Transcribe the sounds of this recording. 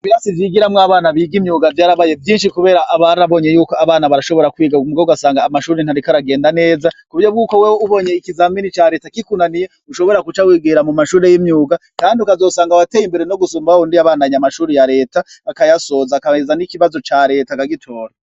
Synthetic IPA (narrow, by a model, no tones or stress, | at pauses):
iβiɾasivjiɡiɾamŋaβaːnaβiːɡimɲuːɡavjaːɾaβaje̞vjiːnʃikuβe̞ːɾaʔːβaɾaβo̞ɲe̞juːko̞aβaːnaβaɾaʃo̞βo̞ɾakwiːɡaumuɡouɡasaːŋɡaːmaʃuːɾen̥aɾikaɾaɡe̞ːndane̞ːzakuβɾjo̞bɡuːko̞wewuβo̞ɲeikizaminit͡ʃaɾe̞ːtakikunanije | uʃo̞βo̞ɾakut͡ʃawiːɡiɾamumaʃuːɾe̞jimɲuːɡakaːndiukazo̞ːsaːŋɡawatejimbe̞ɾeno̞ɡusuːmbaondiaβaːnaɲamaʃuːɾejaɾe̞ːtaːkajaso̞ːzakaezanikiβazo̞t͡ʃaɾe̞ːtakaɡitʰo̞ːɾa